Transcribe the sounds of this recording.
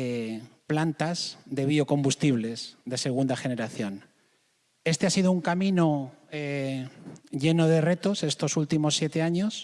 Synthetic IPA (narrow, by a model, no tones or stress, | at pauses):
eplant̪azðe̞β̞io̞ko̞mbust̪iβ̞le̞zðe̞se̞ɣ̞und̪axe̞ne̞ɾaθjo̞n | e̞st̪easið̞ouŋkamĩno | e | ʝe̞no̞ð̞e̞re̞t̪o̞se̞st̪o̞sult̪imo̞sːje̞t̪e̞aɲo̞s